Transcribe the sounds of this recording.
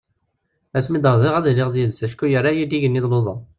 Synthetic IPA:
æsmid̪əɾˤzˤiʁæðlɪʁðjiðsæʃkːujəɾajid̪iʝənːiðlozˤə

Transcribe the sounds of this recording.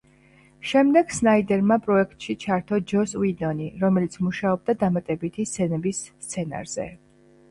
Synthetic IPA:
ʃɛmd̪ɛɡ̥snaid̪ɛɾmapʼɾɔɛk̚ʰt̪ʼʃit͡ʃʰaɾt̪ʰɔd͡ʒɔswid̪ɔniɾɔmɛlit̪sʰmuʃaɔb̚d̪ad̪amat̪ʼɛbit̪ʰist̪sʰɛnɛbisːt̪sʰɛna̰ɾz̥ɛ̰

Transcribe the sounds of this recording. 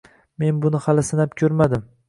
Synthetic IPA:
me̞nbʊnɪhalɪsɪnap̚kʲʰɵɾmad̪ɪm

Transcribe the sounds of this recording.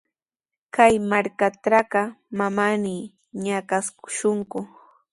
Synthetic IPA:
kajmaɾkaʈ͡ʂɾakɑmamanɪ | ɲakaskʊ̥ʃʊŋkʊ

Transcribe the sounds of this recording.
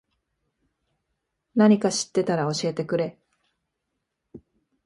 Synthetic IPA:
naɲ̟ikaɕi̥t̪ːe̞t̪aɾao̞ɕie̞t̪e̞kɯ̟ɾe̞

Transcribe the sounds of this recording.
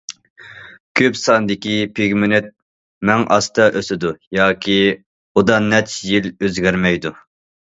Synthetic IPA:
kʲʰøpsɑnd̪ɪkʲipʰeɡʲmɪnɪt̪̚ | mɛŋʔɑ̰st̪ʰɑʔøsɪd̪ujɑːkʲʰi | ud̪ɑnːɛt̪jiløzɡʲæɾmɛjd̪u

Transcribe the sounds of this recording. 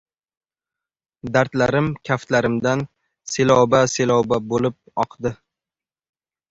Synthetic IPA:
d̪aɾt̪laɾɪmkʲʰaft̪laɾɪmd̪an | selɒwbaselɒwbabolɪp̚ɒqd̪ɪ

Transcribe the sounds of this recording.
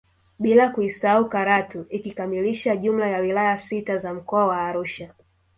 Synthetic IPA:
ɓilakuisaaukaɾatuʔikikamiliʃaʄum̩lajawilajasitazam̩kɔawaːɾuʃa

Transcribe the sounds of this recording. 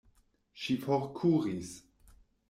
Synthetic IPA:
ʃifoɾkʰuɾis

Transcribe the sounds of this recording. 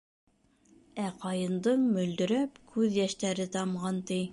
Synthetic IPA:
æqɑjɤ̆nd̪ɤɴmɵ̆ld̪ɵ̆ɾæpkʰʉðjæʃt̪æɾɘt̪ɑmʁɑnt̪i

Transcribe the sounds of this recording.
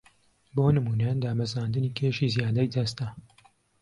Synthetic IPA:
boːnɨmuːnɛjand̪aːmɐzaːnd̪ɨniːkʰeːʃiːzjaːd̪ɛjd̪ɐst̪ɐ

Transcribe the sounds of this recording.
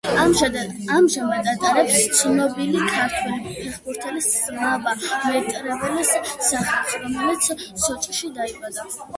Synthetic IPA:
amʒamad̪at̪ʼaɾɛpst̪sʰnɔbilikʰaɾt̪ʰwɛlipʰɛχbuɾt̪ʰɛlisznabamɛt̪ʼɾɛvɛlisːaχalˠχɾɔmɛlit̪sʰsɔt͡ʃʼqʼʃid̪aibad̪a

